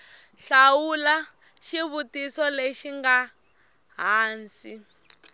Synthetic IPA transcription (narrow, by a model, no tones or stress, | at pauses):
ɬawula | ʃiβutisɔleʃiŋɡa | ɦaːnsi